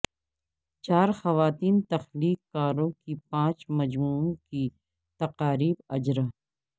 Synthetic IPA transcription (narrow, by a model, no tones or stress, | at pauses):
t͡ʃaːɾxɐʋaːt̪iːnt̪ɐxliːkːaːɾõkipãːt͡ʃmɐd͡ʒmuːõki | t̪ɐqaːɾiːbɐd͡ʒɾa